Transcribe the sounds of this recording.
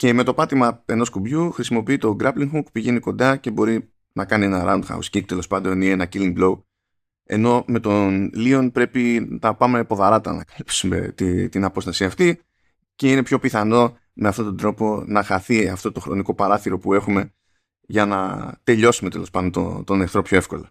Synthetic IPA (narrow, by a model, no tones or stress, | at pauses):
ce̞me̞t̪o̞pɐt̪imɐe̞no̞skubʝuxɾisimo̞piit̪o̞ɡɾɐpliŋxukupiʝe̞niko̞nd̪ɐce̞bo̞ɾi | nɐkɐnienɐɾa̰und̪xɐ̰ṵscik̚t̪e̞lo̞spɐnd̪o̞ninenɐciliŋɡblo̞u | e̞̰no̞me̞t̪o̞nlio̞npɾe̞pinɐpɐme̞po̞ðɐɾɐt̪ɐnɐkɐ̥lipsume̞̰t̪it̪inɐpo̞st̪ɐsiɐft̪i | ce̞ine̞pço̞piθɐno̞ | me̞ɐft̪o̞t̪o̞d̪ɾo̞po̞nɐxɐθiɐft̪o̞t̪o̞xɾo̞̰niko̞pɐɾɐθiɾo̞pue̞xume̞ | ʝɐnɐ̰t̪e̞ʎo̞sume̞t̪elo̞spɐnd̪ont̪o̰t̪o̞neɾθɾo̞pço̞e̞fko̞̰lɐ